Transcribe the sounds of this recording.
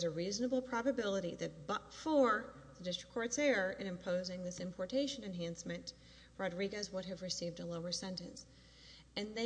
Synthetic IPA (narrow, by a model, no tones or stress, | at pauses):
zɨɹiznəbl̩ˠpʰɹ̥ɑbɨbɪlˠəɾiðɨt̚b̥ʌtfə˞ðədɪstɹ̥ə̥kʰːɔɹtsɛɹɨ̃nɨ̃mpʰoʊzɪ̃ŋðɪsɨ̃mpʰɔɹtʰeɪʃɨ̃nɨ̃nɦæ̃nsmɨ̃n | ɹɑdɹiɡɨzwʊɾ̚ɨvɹɨsivdəloʊə˞sɛ̃ntɨ̰̃ns | ɨ̃nðe